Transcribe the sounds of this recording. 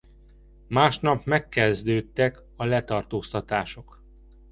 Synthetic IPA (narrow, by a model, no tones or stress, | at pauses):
maːʃnɒpmɛkːɛzd̪øːt̪ːɛk | ɒlɛt̪ɒrt̪oːst̪ɒt̪aːʃo̞k